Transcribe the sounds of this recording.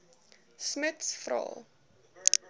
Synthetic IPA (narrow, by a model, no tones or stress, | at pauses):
smətsfrɑ̰ːlˠ